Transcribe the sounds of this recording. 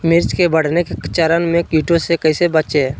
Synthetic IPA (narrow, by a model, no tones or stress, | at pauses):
mɪɾt͡ʃkebəɽ̤neket͡ʃəɾənmẽkiːʈõsekəisebət͡ʃe